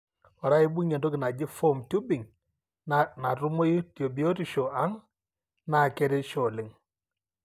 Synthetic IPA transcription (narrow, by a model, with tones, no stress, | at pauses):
ɔ˨ɾa˦ɪ˦bu˦ɲɛ˨ndo˦kɪ˨na˨d͡ʒɪ˦fɔ˦˨mtu˦bi˨ŋ | na˨tʊ˦mo˦ji˦tjo˨bi˨o˦ti˨ʃo˨a˦ŋ | na˨kɛ˦ɾɛ˦ʃɔ˨lɪ˨ŋ